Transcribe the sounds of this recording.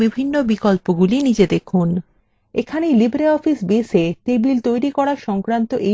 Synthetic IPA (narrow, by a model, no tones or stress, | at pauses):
bibʱinːobikolpoɡulinid͡ʑed̪ekʰun | ekʰanelibɾeɔfisbeset̪ebilt̪ojɾikɔɽaʃɔŋkɾant̪oʔe